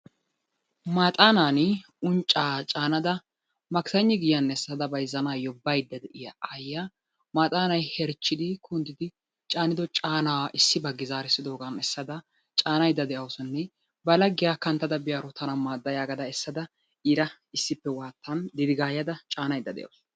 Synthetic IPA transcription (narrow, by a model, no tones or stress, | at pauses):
maːt̪ʼaːnaːnɪ | ʊnt͡ʃʼaːt͡ʃʼaːnɐd̪ɐ | mɐksɐɲːɪɡɪjjɐnːɛsːɐd̪ɐbɐjɪzɐnaːjɔbːɐjd̪ːɐd̪ɛʔɪjɐjːa | maːt̪ʼaːnɐjhɛɾt͡ʃːɪd̪ɪkʰʊnd̪ɪd̪ɪ | t͡ʃʼaːnɪd̪ɔt͡ʃʼaːnawɐʔɪsːɪbɐɡɪzaːɾɪsːɪd̪oːɡɐnɛsːɐd̪ɐ | t͡ʃʼaːnɐjd̪ːɐd̪ɛʔɐwsɔnːɛ | bɐlɐɡːɪjakɐnt̪ːɐd̪ɐbɪjaɾɔt̪ɐnɐmaːd̪ːɐjaːɡɐd̪ɐɛsːɐd̪ɐ | ɪɾɐ | ɪsːɪpːɛwaːt̪ːɐnd̪ɪd̪ɪɡaːjɐd̪ɐt͡ʃʼaːnɐjd̪ːɐd̪ɛ̰ʔɐ̰ws